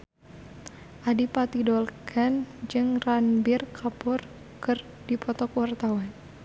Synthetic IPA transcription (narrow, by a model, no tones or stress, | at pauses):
ʔadipat̪idɔlkʰand͡ʒɨŋranbɪrkʰapʊr | kɨr | dipɔt̪ɔkuwart̪awan